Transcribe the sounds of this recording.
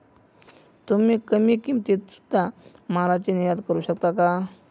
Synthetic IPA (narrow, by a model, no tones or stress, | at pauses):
t̪umiːkəmiːkimt̪et̪su̥d̪ʱa | maɾat͡ɕenijad̪kəɾuːɕəkt̪aka